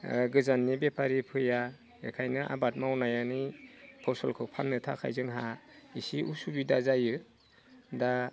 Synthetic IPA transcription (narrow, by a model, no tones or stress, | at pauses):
ɡɯzanːibepʰaɾipʰɯja | ekʰajnɯʔa̰bat̚mawnajanipʰɔsɔlkʰɯpʰanːɯtʰa̰kʰa̰jzɯŋɦaisiʔusubidazajɯ | da